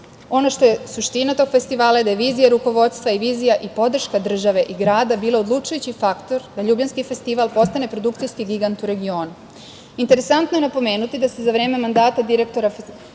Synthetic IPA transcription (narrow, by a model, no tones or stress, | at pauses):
o̞no̞ʃt̪o̞je̞suʃt̪inat̪o̞ɡ̥fe̞st̪iʋaːlˠajed̪ajeʋiːzijaɾuko̞ʋo̞t̪st̪ʋaiʋiːzijaʔipo̞d̪r̩ʃkad̪r̩ʒaʋe̞ʔiɡɾaːd̪abiːlˠaod̪lˠut͡ʃujut͡ɕifakt̪o̞ɾd̪aʎuːbʎanskife̞st̪iʋalˠpo̞st̪ane̞pɾo̞d̪ukt̪sijskiɡiɡant̪uɾe̞ɡio̞ːnu | int̪e̞ɾe̞sant̪noje̞napo̞me̞ːnut̪id̪asezaʋɾe̞ːme̞mand̪aːt̪ad̪iɾe̞k̚t̪o̞ɾaf